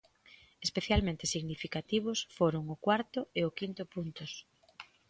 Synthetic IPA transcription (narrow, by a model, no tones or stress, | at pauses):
espeθjalmẽnt̪ɪsiɣnifikat̪iβ̞ʊsfoɾʊŋʊkwaɾt̪ʊeʊkint̪ʊpunt̪ʊs